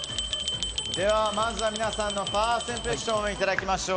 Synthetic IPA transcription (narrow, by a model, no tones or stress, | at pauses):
d̪e̞βamãnzamʲinasãnːo̞paːsẽɰ̃ɸe̞kɕõmeit̪ad̪akʲimaɕoː